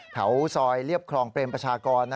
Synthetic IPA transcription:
kʰa̰˦˥wsɔː˧jli˥˩əp̚kʰlɔː˧ŋpɾeː˧mpɾa˧˩t͡ɕʰaː˧kɔː˧nː

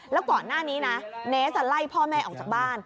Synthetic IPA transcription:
lɛ˦˥wkɔː˨˩nːaː˥˩niː˦˥na˦˥neː˦˥sa˧la˥˩jpʰɔː˥˩mɛː˥˩ʔɔː˨˩k̚t͡ɕa˨˩k̚baː˥˩n

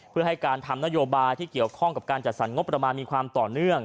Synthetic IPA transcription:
pʰɯ˥˩əɦa˥˩jkaː˧nt̪ʰa˧mna˥joː˧baː˧jt̪ʰiː˥˩ki˨˩əwkʰɔ˥˩ŋka˨˩p̚kaː˧nt͡ɕa˨t̪̚sa˩˦nŋo˦˥pːɾa˧maː˧nmiː˧kʰwaː˧mt̪ɔː˨˩nɯ˥˩əŋ

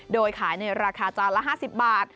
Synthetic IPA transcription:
doː˧jkʰaː˩˦jna˧jɾaː˧kʰaː˧t͡ɕɔː˧nla˦˥ɦaː˥˩si˨˩p̚baː˨˩t̪̚

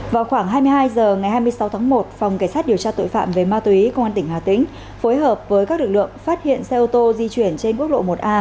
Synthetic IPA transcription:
vaː˨˩wxwaː˧˩ŋɦaː˧jmɨ˧əjɦaː˧jzəː˨˩ŋa˨˩jhaː˧jmɨ˧əjsa˨˦wt̪ʰaː˨˦ŋmo˨˩t̚fa˨˩wŋ͡mkaː˧˩jsaː˦˥t̚ɗi˨˩əwt͡ɕaː˧t̪o̰˧˨jfa̰ː˧˨mve˨˩maː˧t̪wi˨˦kə˧wŋ͡ma˧nt̪ï˧˩ŋ̟ɦaː˨˩t̪ḭ̈˧˥ŋ̟ | fo˨˦jɦəː˨˩p̚vəː˨˦jkaː˦˥k̚lɨ˨˩k̚lɨ̰˧˨əŋfaː˦˥t̚hḭ˧˨ənsɛ˧ʔo˧t̪o˧zi˧t͡ɕwi˧˩ənt͡ɕe˧nku˦˥ək̚ɗo̰˧˨mo˨˩t̚ʔaː˧

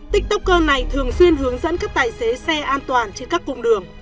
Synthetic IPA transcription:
t̪ï˦˥k̟̚t̪ə˦˥k͡p̚kəː˧na˨˩jt̪ʰɨ˨˩əŋswi˧ənɦɨ˨˦əŋzə̰˧˥nkaː˦˥k̚t̪aː˨˩jse˨˦sɛ˧ʔaː˧nt̪waː˨˩nt͡ɕe˧nkaː˦˥kːʊ̰˧wŋ͡mɗɨ˨˩əŋ

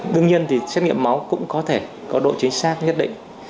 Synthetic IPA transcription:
ɗɨ˧əŋɲi˧ənt̪ʰi˨˩sɛ˦˥t̚ŋḭ˧˨əmːa˨˦wkʊ̰˧˥ŋ͡mkɔ˨˦t̪ʰe˧˩ | kɔ˨˦ɗo̰˧˨t͡ɕï˨˦ŋ̟saː˦˥t̚ɲə˦˥t̚ɗḭ̈˧˨ŋ̟

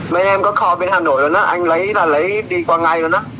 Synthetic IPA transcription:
ma˧˦jnaː˧mkɔː˧˥˩kʰɔː˧pe˧nhʰaː˧˩noː˨˩˦loː˧˩na˦˥ʔa˧nlə˨˦˥jla˨˩lə˨˦˥jdiː˧kwaː˧ŋa˧jloː˧jna˦˥˩

